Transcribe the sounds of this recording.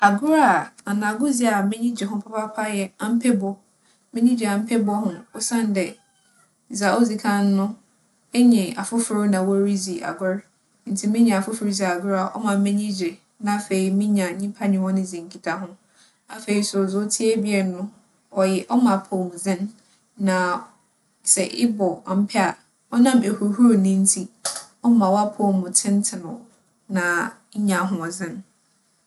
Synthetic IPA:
a˨ɡʊ˦ɾa˨a˨nã˨ɡʊ˦zi˦a˨mɪ̃˦ɲĩ˦d͡ʑɪ˨ɦʊ̃˦pʰa˦pʰa˦pʰa˦jɛ˦ã˦m̩˦pʰɛ˦bɔ˦ | mɪ̃˦ɲĩ˦d͡ʑa˨m̩˦pʰɛ˦bɔ˦ɦʊ̃˨ɔ˦sã˦n˨˦dɛ˨ | za˨ʔo˦zi˨kʰã˦nː˦ʊ̃˦ | e˦ɲɪ̃˨a˨fʊ˦fʊ˨ɾnã˨wɔ˦ɾi˦zi˨ʔa̰˨ɡʊ˦ɾ | n̩˨tʰi˨mɪ̃˦ɲã˨a˨fʊ˦fʊ˨ɾzi˨a˨a˨ɡʊ˦ɾa˨ʔɔ̰˦mã˨m˦ɪ̃˦ɲĩ˦d͡ʑɾɪ˨ | nã˨˦fe˨i˨mĩ˦ɲã˨˦ɲĩ˦pʰa˦nɪ̃˨˦wɔ̃˦nɪ̃˦zĩ˨ŋ˨kʰi˦tʰa˨ɦʊ̃˦ | a˨fe˨i˨sʊ˨zʊ˦tʰɪ˦ɛ˦bi˦ɛ˨nʊ̃˦ | ɔ˨jɛ˨ʔɔ˦mã˨pʰo˦˨mʊ̃˨zɪ̃˦nː | ã˨ | sɛ˨ʔɪ˦bɔ˨a˨m̩˦pʰɛ˦a˨ | ɔ˦nã˦˨me˨hu˨ɾɦu˦ɾo˨nĩ˦n̩˦tʰi˦ | ɔ˦mã˨wa˦pʰɔ˦˨mʊ̃˨tʰɪ̃˦n˦tʰɪ˨nɔ̃˨ | nã˨˦ | ɲã˨˦ɦʊ̃˦ɔ˨zɪ̃˦n

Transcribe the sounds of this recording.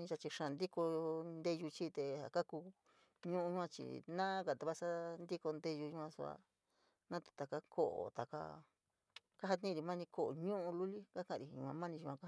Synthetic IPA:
ĩ˦t͡ʃa˧t͡ʃi˧ʂã˧˨nd̪i˦ko˧nd̪e˧ʒu˧t͡ʃiː˦t̪e˧ha̰˨ka˦ku˧ | ɲũ˦ʔũ˧u˦ã˧t͡ʃḭ˨nã˦ka˨t̪a˧βa˦sa˦nd̪i˦ko˧nd̪e˧ʒu˧ʒu˧ã˧su˧a̰˧ | nã˦t̪u̥˧t̪a˨ka˧kʰo˦ʔo̰˨t̪a˨ka̰˧ | ka˦ɦa˧t̪nĩ˦˧ɾi˨˧mã˦nĩ˧ko˦˨o̰˨ɲũ˦ʔũ˧lu˦li˦ka˦kã˦˧˨ɾi˨˧ɲṵ̃˧ã̰˧mã˦nĩ˧u˧ã˧ka˦ha˧

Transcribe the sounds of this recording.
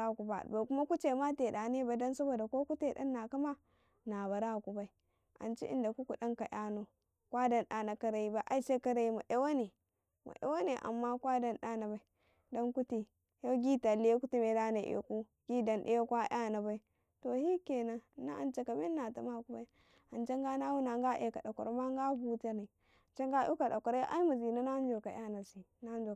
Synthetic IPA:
a˦˨ku˨ba̰˨ba˨ku˦ma˦ku˦t͡ʃe˨ma˦te˨da˨ne˦ba˨i˨˦do˦nsa˦bo˨da˨ko˦ku˦te˨da̰˦nːa˨ka˦ma˦ | na˨βa˨ɾa˦˨ku˨ba˨i˦ | ʔa̰˨nt͡ʃḭ˦ʔḭ˦˨nda˨ku˦ku˨ɗa˦nka˨ʔja˦no˨ | kwʷa˦da˦nɗa˨na˨ka˦ɾa˨ji˦ba˦ʔa˦i˦se˦ka˦ɾa˨ji˦ma˨ʔe˦wa˦ne˨ | ma̰˨ʔḛ˦wa˦ne˨ʔa̰˨mːa˦kwa˦da˦nɗa˦na˨ba˨i˦ | do˦nku˦ti˨ | jo˦ɡi˦ta˨li˦e˦ku˦ti˦me˨da˦na˨ʔo̰˨ku˦ | ɡi˦da˨nɗḛ˦o˦kʷa˦ʔa˦na˨ba˦i˦ | to˨hi˦ke˨na˦na̰˦a̰˨nt͡ʃa˦ka˨me˦nːa˨ta˨ma˦˨ku˦ba˦i˦ | a˨nt͡ʃa˦ŋɡa˦na˦wu˦na˨ŋɡa˦ʔḛ˨ka˨ɗa˨ko˨ɾma˦ŋɡa˦bu˦ta˦ɾni˨ | a˨t͡ʃa˦ŋɡa˦u˦ka˨da˨ko˨ɾa˦ʔa̰˦i˦ma˨zi˨no˦na˦n˦d͡ʒo˨ka˨ja˦na˨si˨ | na˦d͡ʒo˨

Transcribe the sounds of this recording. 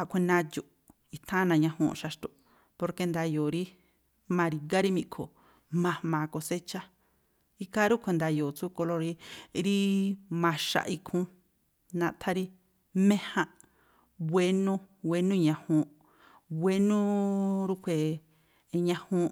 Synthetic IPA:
a˧˨kʷʰe˧nã˧jo˧˨ʔ | i˧t̪ʰã˦nã˧ɲã˧hṵ̃˧ʃa˧ʃt̪o˧˨ | po˧ɾke˧nd̪a˧joː˨ɾi˦ | mã˧ɾi˨ɡa˦ɾi˦mĩ˧ʔkʰo̰˨ | mã˧mãː˨˧ko˧se˦t͡ʃa˦ | i˦ka˦ɾu˦kʰʷe˧nd̪a˧joː˨t͡su˦ko˧lo˧ɾi˦ɾi˦mã˧ʃa̰˧˨ʔi˧kʰũ˦ | nã˧t̪ʰa˦ɾi˦ | mẽ˦hã˧ | βʷe˧nũ˦we˧nũ˦ɲã˧hũ˧ | βe˦nũ˦ɾu˦kʰʷe˨˧ | ɲã˧hũ˦

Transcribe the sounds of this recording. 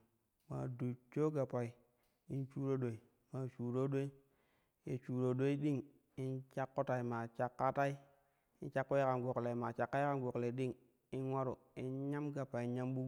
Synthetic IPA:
ma̰˨du˨t͡ʃo˦ɡa˨pa˨i˨ | i˦nt͡ʃu˦ɾo˦ɗo˨i˨ | ma˨t͡ʃu˨ɾo˦ɗo˦i˦ | je˨t͡ʃu˨ɾo˨ɗo˦i˦ɗi˦ŋ | i˦nt͡ʃa˦kːo˦ta˨i˨ma˨t͡ʃa˦kːa˦ta˦i˦ | i˦nt͡ʃa˦kːo˦je˦ka˨nɡo˨kle˨ma˨t͡ʃa˨kːa˦i˦ka˦nɡo˨kle˨ɗi˦ŋ | i˦nwa˦ɾo˨ | i˦nɲa˦mɡa˨pa˨i˨ɲa˦mɓu˦

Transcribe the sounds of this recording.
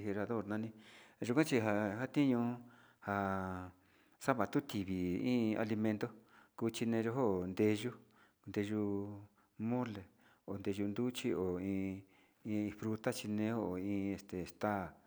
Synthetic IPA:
he˧ɾa˧ðo˦˨ɾnã˧nĩ˧ʒu˧kʷã˦t͡ʃi˧ɦa˧ɦa˦t̪i˦ɲũ˧ | ha˧ | sa˦βa˨t̪u˦t̪i˨βi˨ĩː˦a̰˧li˧mẽ˧nt̪o˦ku˧t͡ʃi˧nẽ˧ʒo˧ɦo˦˨nd̪e˧ʒu˧ | nd̪e˧ʒu˧ | mõ˦le˨ | o˨nd̪e˧ʒu˧nd̪u˦t͡ʃi˦ʔo˨ĩː˧ | ĩ˧fɾu˧t̪a˦t͡ʃi˧nẽ˧˦o˦o˨ĩː˧e˧st̪e˨st̪a˦˨

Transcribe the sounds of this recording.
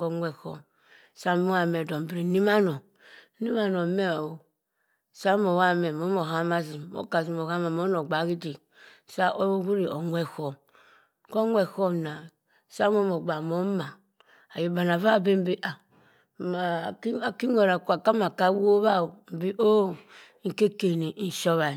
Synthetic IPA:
ɡo˦ŋwɛ˨ho̰˨m | sa˦m˦ba˦mɛ˨do˨m˨bi˨ɾi˨ni˦ma˦no˨˦ | ni˦ma˦no˨me˦a˨o˨ | sa˦mo˨wa˦mɛ˨mo˨˦mo˨ɦa˦ma˦zi˨mo̰˦ka˨zi˨mo˨ɣa˦ma˨mo˦no˨ɡ͡ba˨˦ɡi˦di˨ | sa˦ʔo˦ɡu˦ɾi˨ʔo˨ŋwɛ˦ho˨m | ko˦ŋʷɛ˨ho˦mna˨ | sa˦mo˦mo˨ɡ͡ba˨mo˦ma˨ | a˨ji˨ba˨na˨va˦˨be˦m̩˦bi˦ʔa˨ | a˨˦a˨ki˦ŋo˨ɾa˨ku˨a˨ka˦ma˨ka˦wo˦βa˦˨wo˨m̩˨bi˦ʔo˦ | ŋ̩˨ke˦ke˨ni˨˦˨ʃo˦βa˨

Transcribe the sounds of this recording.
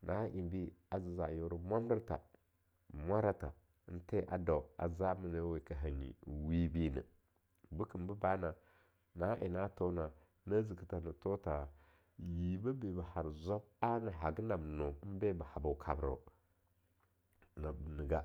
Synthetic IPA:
nʔa˨˦ʔi˨mbi˦a˨zi˨za˨jo˦ɾu˦mʷa˦m˦də˦ɾta̰˨ | mʷa˦ɾa˦ta˨˦ | n̩˦te˦ʔa̰˨da˨wa̰˨za˦mə˨nə˦we˨ka˨ɦa˨ɲḭ˨wi˦bi˦nə̰˨ | bu˦kə˨m˦bə˦ba˦na˨ | na˨˦ʔi˨na˦to˦na˨ | na˦zi˨kə˨ta˨nə˨to˦ta˨ | ji˨ba˦be˨ba˨ha˨ɾza˦b̚a˦na˨ɦa˨ɡna˨bno˨˦n˦be˦ba˨ha˨ba˨kʰa˨bɾa̰˨ | na˨bnə˨ɡa˦

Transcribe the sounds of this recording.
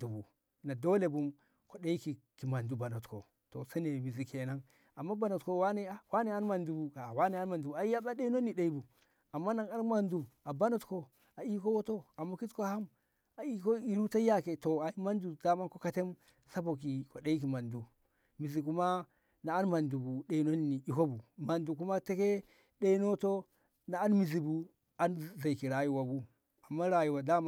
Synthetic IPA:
du˨bu˨ | na˨do˦le˨bu˦m | ko˨ɗe˦i˦ki˨ki˨ma˨ndu˨ba˨no˨tko̰˨ | to̰˨sa˦ne˨mi˨zi˨ke˨na˦ŋ | a˨mːa˦ba˨no˨tko˨˦˨wa˦ne˦a˨wa˦ne˦a˦nma˨ndu˨bu˨ɡa˨wa˦ne˨a˦n˦ma˨ndu˨bu˨a˨i˦ja˦ba˦ɗe˦no˦ni˨ɗe˨i˦bu˨ | a˨mːa˦na˨ŋa˨˦ɾma˨ndu˨a˨ba˦no˨tko˨ | a˨i˦ko˦wo˦to˦a˨mːa˦ki˦tko˦ha˦m | a˨i˦ko˦i˨ɾu˦ta˦ja˦ke˨to˨a˨i˦ma˦ndu˨d̥a˦ma˦nko˦ka˦te˦m | sa˦bo˨k̬i˨ko˨ɗe˦i˦k̬i˨ma˨ndu˨ | mi˨zi˨ku˦ma˦ | naː˨˦nma˨ndu˨bu˨ɗe˨i˦no˦nːi˨i˨ko˦bu˨ma˨ndu˨ku˦ma˦te˦ke˦ | ɗe˦i˦no˦to˦ | naː˨˦nmi˨zi˨bu˨ | a˦nza˨i˨ki˨ɾa˨ju˨wa˨bu˦ | a˨mːa˦ɾa˨ju˨wa˨da˦m˦

